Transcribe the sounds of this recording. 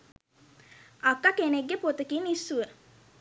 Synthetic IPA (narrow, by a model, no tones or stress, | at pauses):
akːakeneɡːepot̪əkinisːuə